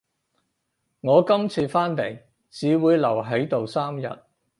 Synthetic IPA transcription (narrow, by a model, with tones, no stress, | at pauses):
ŋɔː˨˧kɐ˥mt͡sʰiː˧faː˥nt̪e˨˩j | t͡siː˨wuː˨˧jlɐ˨˩wɦɐ˨˥jt̪o˨wsaː˥mjɐ̰˨t̚